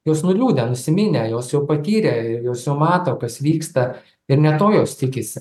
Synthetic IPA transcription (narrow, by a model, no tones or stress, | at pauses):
joːsnʊlʲuːd̪ʲɛnʊsʲɪmʲɪnʲɛjoːsjɛʊpɐt̪ʲiːɾʲɛɪjoːsjɛʊmɑːt̪okɐsʋʲiːkst̪ɐ | ɪrnʲɛt̪oːjoːst̪ʲɪkʲɪsʲɪ